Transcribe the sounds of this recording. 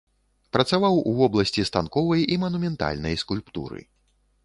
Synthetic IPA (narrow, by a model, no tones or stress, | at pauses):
pɾɐt̪savawuvɔblˠɐsʲt͡sʲist̪ankɔvɐjimɐnumʲɛnt̪a̰lʲnɐ̰jskulʲpt̪ṵɾɨ̰